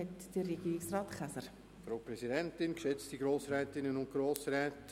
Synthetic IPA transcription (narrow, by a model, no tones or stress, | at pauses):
ɛtd̥ərɛɡiːɾɪksrɑːtχæsəɾ | fɾaːpɾɛzidɛntɪnkʃɛt͡stiɡɾoːsɾɛːtɪnənʊnt̚ɡ̥ɾoːsɾɛːt